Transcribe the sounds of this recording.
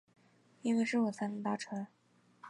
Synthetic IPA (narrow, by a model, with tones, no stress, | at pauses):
i˥nwe˥˧ɪʂɻ̩˥˩wɔ˨˩t͡sʰa˥nə˧˩t̪a˥˩ʈ͡ʂʰɤ˧˥